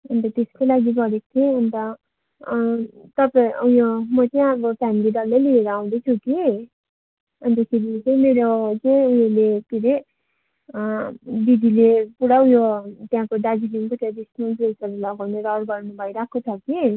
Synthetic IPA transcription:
ʌnt̪ʌt̪eskolaɡiɡʌɾekt̪ʰeʌnt̪ʌ | t̪ʌpaĩujomʌt͡sʌĩʌbʌpʰamilid̪ʌɾːejlieɾaaw̃d̪ʌt͡sʰuki | ʌnt̪ʌkʰiɾit͡sʌĩmeɾot͡sʌĩuɦelepiɾe | bid̪ilepuɽawjot̪jãkoɖad͡ziliŋkot̪ãdisnʌlpresʌrʌɡʌmeɾoawɽbʌɾnubʱʌjɾakʰːot͡sʰʌki

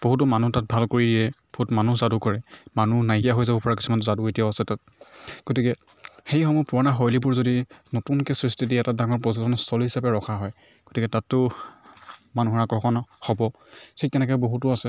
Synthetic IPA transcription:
b̥oɦutʊmanutat̚bʱalkoɹidiɛb̥oɦutmanuzadukɔɹɛmanunajkijaɦojzabʊpɔɹakisumantzaduetijaʊasɛtat̚ | ɡ̥otikɛ | xejxɔmupuɔnaxɔjlibʊɹzodinotunkɛsɹistidiɛtadaŋɔɹpɔzɔdɔnstʰɔlɦisabɛɹɔkʰaɦɔj | ɡ̥otikɛtatːʊ | manuɦɔɹaɡɹɔxɔnhɔbɔ | tʰiɛnɛk̬ɛboɦutʊasɛ

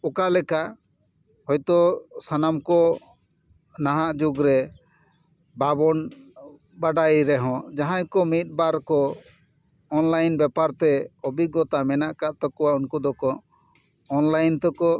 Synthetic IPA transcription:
ɔkalɛka | hɔjt̪ɔsanamkɔ | naɦaʔd͡ʒuɡɾɛ | babɔn | baɖajɾɛɦɔ̃d͡ʒaɦãjkɔmit̪̚ˀbaɾkɔ | nlajnbɛpaɾt̪ɛɔbiɡɔt̪amɛnaʔkaʔ̪t̪ɔkɔwaunkud̪ɔkɔː | nlajnt̪ɔkɔ

